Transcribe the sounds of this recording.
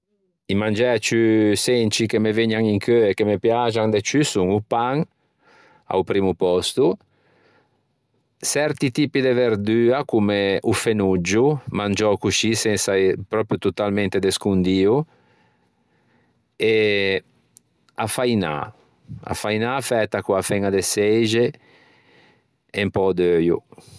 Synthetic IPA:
imand͡ʒɛat͡ʃysɛnt͡ʃikemeveɲaŋiŋkʰøekːemepjad͡ʒaŋd̪et͡ʃysuŋupaŋ | a̰wpɾiːmupɔst̪u | sɛɾt̪it̪iːpid̪eveɾd̪yːakumeʔufenud͡ʒːumand͡ʒɔkuʃisɛnsapɾɔpɾjut̪ut̪alment̪ed̪eskund̪iːu | e | afajna̰ | a̰fajnafɛt̪ːakuafɛŋad̪esɛjd͡ʒe | empɔd̪øjṵ

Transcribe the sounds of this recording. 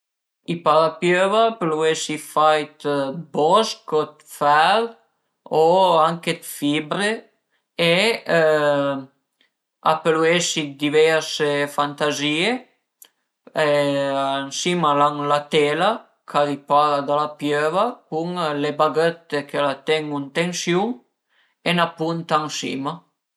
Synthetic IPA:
ipaɾapjøvapluesifajt̪bɔskot̪fɛɾ | oaŋket̪fibɾe | e | a̰pluesid̪ivɛɾsefant̪azie | eaŋsimalaŋlat̪ela | kʰaɾipaɾd̪alapjøvakuŋlebaɡøt̪ːekelat̪eŋunt̪eŋsjuŋ | enapunt̪aŋsḭma

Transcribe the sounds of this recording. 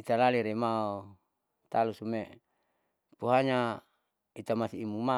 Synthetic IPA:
it̪alaliɾemao | t̪alusumeʔ | puɦaɲa | it̪amasiːmuma

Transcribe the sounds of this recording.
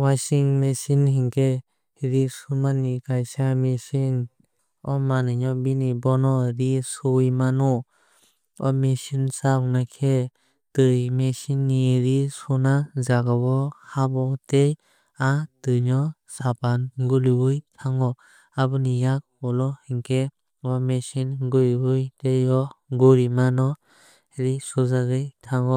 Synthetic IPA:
wajsiŋmesinhiŋkʰe | ɾisumanikʰajsamesin | ɔmanɯɲɔbinibɔnɔɾisɔjmanu | ɔmesinsawnakʰe | tɯjmesinːiɾisɔnazaɡabɔhabɔtej | atɯɲɔ | sapanɡulibɯjtʰaŋɔ | abɯnijak̚ɔlɔhiŋkʰe | ɔmesinɡɯɾbɯjtejɔɡuɾimanɔ | eɾisɔzaɡɯjtʰaŋɔ

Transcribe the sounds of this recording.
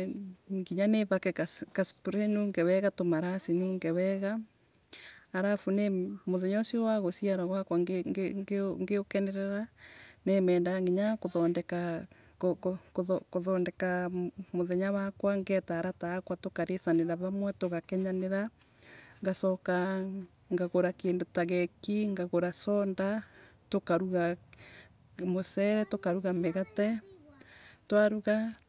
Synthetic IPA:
ŋɡiɲaneβakɛkakaspuɾɛnuŋɡɛwɛɣatomaɾasenuŋɡɛwɛɣa | ɾafunemoðɛɲɔsiowaɣosiaɾaɣwakwaŋɡŋɡeokɛnɛɾɛɾanemɛːndaŋɡiɲakoðɔndɛka | okokokoðɔndɛkamoðɛɲawakwaŋɡɛtaɾataːkwatokaɾesaneɾaβamwɛtoɣakɛɲaneɾa | ŋɡasɔka | ŋɡaɣoɾakeːndotaɣɛkiŋɡaɣoɾasɔnda | tokaɾuɣa | mosɛɾɛtokaɾuɣameɣatɛ | twaɾuɣa

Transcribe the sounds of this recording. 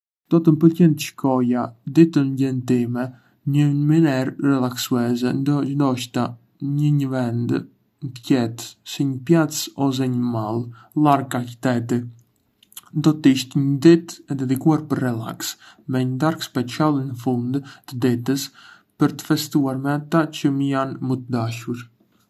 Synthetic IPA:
d̪̥ɔt̪əmpəlcɛnt̪əʃkʰɔjad̪it̪ənɟɛnt̪imɛ | ɲəminɛɾrɛlˠaksuɛzɛnd̪nd̪ɔʃt̪a | ɲəɲəvɛnd̪ | nt̪əcɛt̪siɲəpjat͡sɔs̬ɛɲəmalˠ | laɾkaki̥t̪ɛt̪i | nd̪ɔt̪iʃt̪ɲəd̪ɛt̪ɛd̪ɛd̪ikuaɾpəɾːɛla̰ks | mɛɲəd̪aɾkspɛt͡sialˠinəfund̪t̪əd̪ɛt̪əs | pəɾt̪ə̥fɛst̪uaɾmɛat̪at͡ʃəməjanmət̪əd̪aʃuɾ

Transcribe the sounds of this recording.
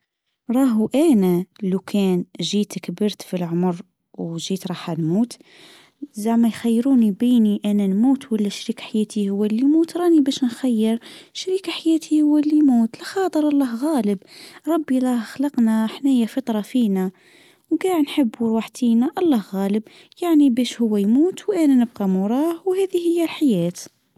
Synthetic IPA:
ɾˤɑːɦuʔænælukʰæːnʒiːt̪kbəɾt̪filʕʊmɾ | wʒiːt̪ɾˤɑħanmuːt̪ | zaʕmæjxæjːɾuːnibiːniʔænænmuːt̪wəlːæʃɾiːkḁħajæːt̪ihʊwːælːimuːt̪ɾˤɑːnibæʃnxæjːəɾʃɾikaħajæːt̪ʰihʊwːælːimuːt̪læxɑːt̪ˤəɾʔɑlˤːɑhɣæːləbɾˤɑbːilˤɑhxlɑqnæħnæjafɑt̪ˤɾˤɑfinæ | wɡɑʕnħəbːuɾwaħt̪inæʔɑlˤːɑhɣæːləb | jaʕnibæʃhʊwːæjmuːt̪wʔænænəb̚qɑmʊɾˤɑːhwhæd̪ihəjːælħajæːt̪

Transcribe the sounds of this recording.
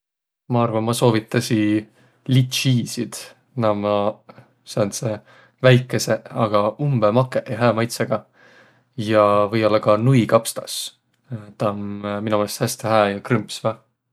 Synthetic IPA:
mɑɑrvɑnmɑso̞ːvit̪ːˑɑsi | lit̪ʃiːsid̪̥ | nɑmɑ | sɑnse | væjkːˑe̞se̞ɑɡ̥ɑumbemɑkːˑeʔjɦæːmɑjt̪seɡ̥ɑ | jɑvɤjo̞lːɑkɑnujkɑpst̪ɑs | t̪ɑmminɑolest̪hæst̪eɦæːjɑkrympsvæh

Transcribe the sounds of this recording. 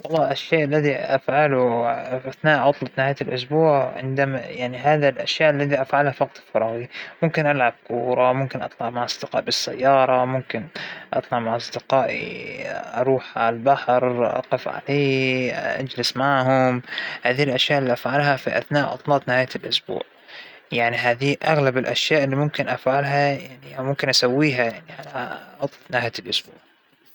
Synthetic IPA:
wɑlˤːɑːʔaʃːeːʔalːaðiʔafʕalʊʔaθnaːʔʕʊt̪ˤlɑt̪nɪhaːjalʔʊs̬buːʕʕɪ̰nd̪amajaʕniɦaːðalʔaʃjaːʔalːaðiʔafʕalhafɑqt̪ˤɪ̥lfɑɾˤɑːɣimʊmkɪnʔalʕab̚kuːɾˤɑmʊmkɪnʔɑt̪ˤlɑʕmaʕɑsˤd̪ɪqɑ̰ːʔbɪsːa̰jːɑːɾˤɑmʊmkɪnʔɑ̰t̪ˤlɑʕmaʕɑsˤd̪ɪqɑːʔḭʔɑɾˤuːħʕalalbaħɾʔɑ̰qɪfʕa̰leːʔa̰d͡ʒlɪsmaʕɦʊmhaːðilʔaʃjaːʔɪlːiʔafʕalɦafiʔa̰θnaːʔʔɑ̰t̪ˤlɑːt̪ˤnɪhaːjalʔʊsbṵːʕ | jaʕniɦaːðiʔaɣlabɪlʔaʃjaːʔɪlːimʊmkɪnʔafʕalɦajaʕnimʊmkɪnʔasawːiːɦajaʕniʕalaʔɑt̪ˤnaːjalʔʊsbṵːʕ

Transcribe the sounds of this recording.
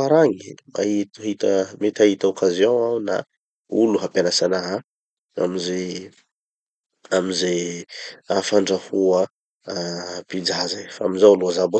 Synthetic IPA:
aɾaŋima̰iɦit̪əmet̪aɦit̪aokazijõawna̰ | uluɦapanasanaɦa | a̰mize | amize | afaɳɖ͡ʐahuə | pid͡ʒazafaamizawluazabo

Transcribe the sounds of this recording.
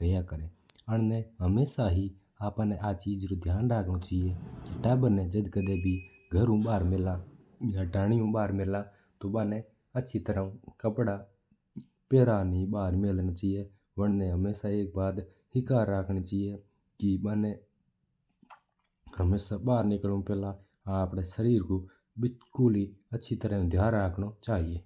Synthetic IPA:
ɾejaːkəɾeːəɳ̃nɛ̃ːɦəmeːsaːɦiː | aːpãːnɛʔaːt͡ʃiːd͡ʒɾoːd̪ʱjaːnɾaːkʰɽ̃oːt͡ʃaːieːkiʈɛːbəɾnɛːd͡ʒəd̪kəd̪eːbʱiː | ɡʱəɾũːɓaːɾmɪlaː | jãːɖaːɽ̃ɪjũːɓaːɾmɪlaː | t̪oːɓaːnɛː | ətːʃʰiːt̪əɾãːkəpɽaː | peːɾaːniːbaːɾmelnaːt͡ʃaːieː | bəɳnẽːɦəmeːsaːeːk̚baːd̪ | hɪkaːɾːaːkʰɳeːt͡ʃaːijeː | kɪbaːneː | həmeːsaːbaːɾnɪklũːpɛːlaː | əpɽeːsəɾiːɾkoː | bɪkʊliːətːʃʰiːt̪əɾãːũːd̪ʱjaːɾːaːkʰɳ̃oːt͡ʃaːɦieː

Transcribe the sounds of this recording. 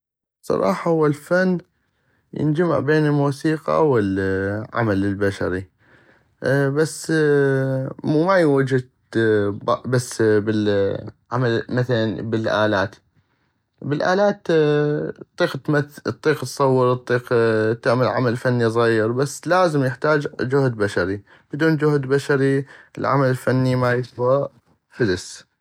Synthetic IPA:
sˤɑ̰ɾˤʔɑ̰ːħɑhʊwːalfanː | jɪ̰nd͡ʒama̰ʕbeːnɪlmuːsiːqɑ̰wɪlʕa̰malɪlbaʃa̰ɾi | basː | muːmajwad͡ʒɪd̪ | bbasːbɪlʕamalmaθalanbɪlʔaːlaːt̪ | bɪlʔa̰ːlaːt̪ | t̪ˤːiːqt̪maθt̪ˤːiːqt̪sˤɑwːəɾt̪ˤːiːqt̪ːɪʕmalʕa̰malfanːizˤɣɑjɪɾbasːlaːzəmjɪħt̪aːd͡ʒd͡ʒʊhd̪baʃaɾi | b̥ɪd̪uːnd͡ʒʊhd̪baʃaɾiɪlʕa̰malɪlfanːimajɪswa | fɪd̪ɪs

